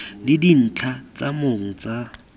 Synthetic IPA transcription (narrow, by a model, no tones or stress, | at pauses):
lɪdin̩t͡ɬʰat͡sʼamoŋ̩t͡sa